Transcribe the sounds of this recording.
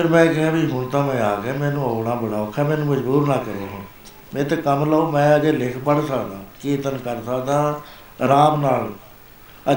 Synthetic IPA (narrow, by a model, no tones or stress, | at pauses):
pəɾmɛ̃ːkɪɦãːbĩːɦʊɳt̪ãːmɛ̃ːaːɡɛːmɛ̃ːnũːoːɽaːbəɽaːʊkʰːɛːmɛ̃ːnũːməd͡ʒbuːɾnaːkəɾoːɦã | mɛ̃ːt̪eːkəmləoːmɛ̃ːəd͡ʒeːlɪkʰpəɽsəkd̪ãːkeːt̪ənkəɾsəkd̪ãː | ɾaːmnaːl | ə